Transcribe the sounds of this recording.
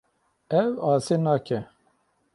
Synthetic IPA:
ɛwɑːseːnɑːkʰɛ

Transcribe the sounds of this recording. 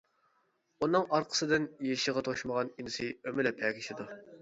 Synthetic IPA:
unːɨŋɑɾqʰə̥sɨd̪ɪnjeʃiʁɑt̪ʰoʃməʁɑninɪsɨømɪlɛpʰɛːkʲʰiʃɪd̪u

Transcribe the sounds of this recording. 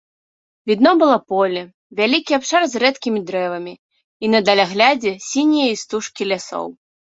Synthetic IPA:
vʲid̪nɔbɨlˠɔpɔlʲɛ | vʲalʲikʲiapʂarzrɛt̪kʲimʲid̪ɾɛvɐmʲi | inɐd̪ɐlʲaɣlʲad͡zʲɛsʲinʲijɐist̪uʂkʲilʲasɔ̰w

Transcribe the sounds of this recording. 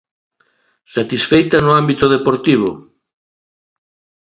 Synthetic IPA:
sat̪isfejt̪ɐnʊambit̪oðepoɾt̪iβ̞o̰

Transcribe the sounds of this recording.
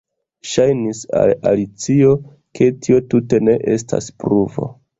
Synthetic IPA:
ʃajnisa̰lalit͡sio̞ | kʰe̞tio̞tute̞ne̞ʔe̞stʰa̰spɾuvo̞̰

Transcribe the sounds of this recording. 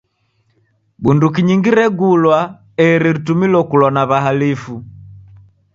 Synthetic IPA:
bundukiɲiŋɡiɾɛɡulwa | ɛɾiɾitumilɔkulɔnaβaɦalifu

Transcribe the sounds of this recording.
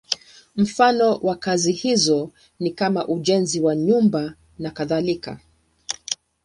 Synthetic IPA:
m̩fanɔwakazihizɔ | nikamaʔuʄɛnziwaɲumba | nakaðalika̰

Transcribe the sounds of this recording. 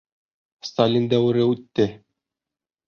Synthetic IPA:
st̪alʲind̪æwɘ̆ɾɘʉt̪ːɘ

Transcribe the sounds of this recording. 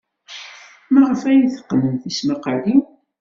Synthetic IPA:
mæʁəfæjiθə̥qːnəmθisməqəli

